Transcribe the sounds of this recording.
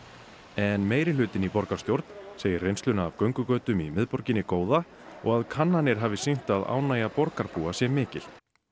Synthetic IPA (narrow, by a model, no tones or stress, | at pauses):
ɛnmeːjɾɪlʏːt̪ɪnipɔɾkḁst̪jowɾt̪n̥seːjɪɾrejnst̪lʏnaːvkœɥŋkʏkœːt̪ʏmimɪðpɔɾcɪnɪkoːwða | ɔ̰ɣaðkʰanːanɪɾ̥ɦaːvɪsiŋ̥t̪aða̰ːwnaːjapɔɾkaɾpuːasjɛmːɪːcɪl̥